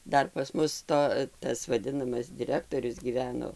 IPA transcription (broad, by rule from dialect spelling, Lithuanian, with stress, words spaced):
ˈdɐr pɐs ˈmʊs ˈtoː ˈtɐs ʋɐˈdʲɪnɐmɐs dʲɪˈrʲæːktoːrʲʊs ɡʲiːˈʋʲæːnoː